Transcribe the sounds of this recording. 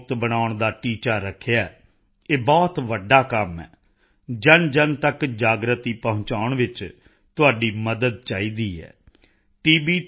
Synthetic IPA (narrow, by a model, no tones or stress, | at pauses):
t̪bənaːʊɳd̪aːʈiːt͡ʃaːɾəkʰjaːɛː | eːbɔːt̪ʋəɖaːkəmɛ̰ː | d͡ʒənd͡ʒənt̪əkd͡ʒaːɡɾət̪iːpəɦʊ̃t͡ʃaːʊɳʋɪt͡ʃ | t̪ʊaːɖiːməd̪əd̪̚t͡ʃaːiːd̪iːɛ̰ː | ʈiːbiː